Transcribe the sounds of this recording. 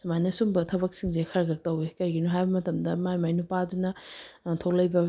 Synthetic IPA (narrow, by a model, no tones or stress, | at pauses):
sumajnɐsumbɐtʰɐbɐk̚siŋzekʰɐɾɡɐk̚tɐwekɐɾɡinuɦajbɐmɐtɐmdɐmajmajnupadunɐtʰok̚lɐjbɐ